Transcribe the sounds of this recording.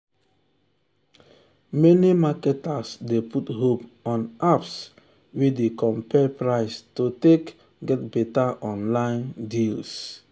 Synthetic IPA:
mɛnimakɛtasdeputhopɔ̃naps | widekɔ̃mpɛpɹaɪstotek | ɡɛtbɛtaʔɔ̃nlãɪ̃ndils

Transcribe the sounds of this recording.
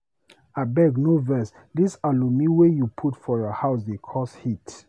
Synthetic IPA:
abɛɡnovɛs | disalumiwejupʰutfɔɹəhaʊs̬dekʰɔshit

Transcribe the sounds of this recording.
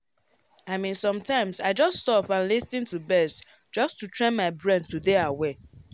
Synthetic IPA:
aɪmĩnsɔ̃mtãɪ̃msaɪd͡ʒʌststɔpãnlisĩntubɛst | d͡ʒʌstutʰɹɛ̃nmaɪbɹɛ̃ntudeawe

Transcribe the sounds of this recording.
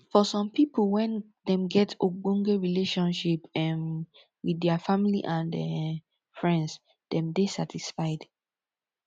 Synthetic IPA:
fɔsɔ̃mpiplwɛ̃n | dɛ̃mɡɛtoɡɔ̃ŋɡeɹileʃɔ̃nʃipɛm | wiɛfamiliʔãndɛ | fɹɛ̃nds | dɛ̃mdesatisfaɪd̥

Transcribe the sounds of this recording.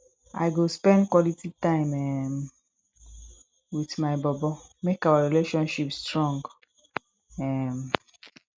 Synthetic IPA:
a̰ɪɡospɛ̃ndkwɔlititãɪ̃mɛm | witmaɪbɔbɔmekawaɹileʃɔ̃nʃipstɹɔ̃ŋɡ | ɛm

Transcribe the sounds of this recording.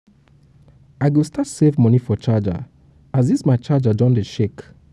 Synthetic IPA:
aɪɡustatsevmɔnifɔt͡ʃad͡ʒa̰ | azismaɪt͡ʃad͡ʒad͡ʒɔ̃ndəʃek

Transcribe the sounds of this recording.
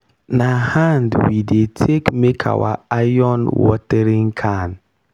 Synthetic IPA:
nahandwidetʰekmekʰa̰wa̰ajɔnwɔ̰tɛɾiŋkʰan

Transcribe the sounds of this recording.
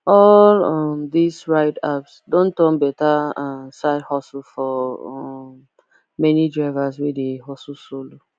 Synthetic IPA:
ɔlɔmdisɹaɪdapsdõntɔ̃mbɛtamsaɪdhɔslfɔ | mɛnidɹaɪvaswedeɦɔsusolo

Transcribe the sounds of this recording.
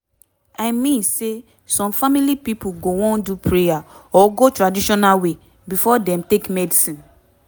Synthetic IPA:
aɪmĩnse | sɔ̃mfamilipipuɡowɔ̃ndupɹejaɔɡotɹadiʃɔnalwe | bifɔdɛ̃mtekmɛdisĩn

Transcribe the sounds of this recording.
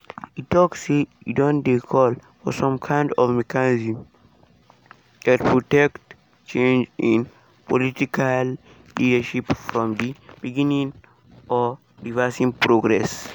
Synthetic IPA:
ittːɔksejṵdɔ̃ndekʰɔlfɔ̰sãmkʰãj̃ndɔvmɛkanizĩm | ɛ̃t̚pʰɹɔtɛkt | t͡ʃẽnd͡ʒĩn | pɔlitikal | lidəʃipfɹɔ̃mdib̥iɡinĩŋ | ʔɔ | ɹivɛsĩŋpɹoɡɹɛs

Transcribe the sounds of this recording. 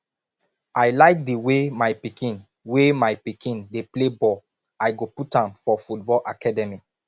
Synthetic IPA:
aɪlaɪk̚diwemajpikĩn | wemaɪpikʰĩndeplebɔl | aɪɡoputãmfɔfutbɔlʔa̰kadɛmi

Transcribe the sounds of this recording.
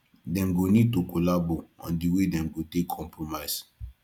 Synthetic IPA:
dɛ̃mɡonid̚tokolaboɔ̰̃ndiwedɛ̃mɡotekkʰɔ̃mpɹomaɪs

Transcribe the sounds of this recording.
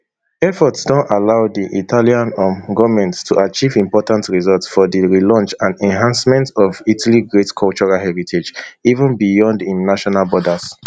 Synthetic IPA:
ɛfɔtsdɔ̃ntalaʊdiʔitʰaliãnɔ̃ɡɔmɛ̃nttʰuʔat͡ʃivĩmpɔtãntɹizɔltsfɔðiɹilɔ̃nt͡ʃãndɛ̃nɦãnsmɛ̃ntɔvitʰaliɡɹetkʰɔlt͡ʃɔɹalhɛɹitʰed͡ʒivə̃nbijɔ̃ndĩnaʃɔnalbɔdaz̥

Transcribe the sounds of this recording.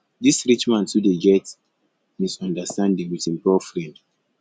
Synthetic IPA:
disɹit͡ʃmãntudeɡɛt | misɔ̃ndastãndĩŋwitĩmpɔfɹɛ̃nd

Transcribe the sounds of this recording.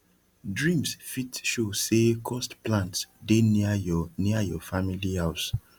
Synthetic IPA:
dɹĩmsfitʃosekʰɔstplãntsdenaniajɔfamilihaʊs

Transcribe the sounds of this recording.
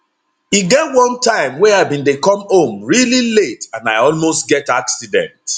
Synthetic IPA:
iɡɛtwɔ̃ntãɪ̃mwɛaɪbĩndekɔ̃mhõmɹililetãnaɪɔlmostɡɛtaksidɛ̰̃nt

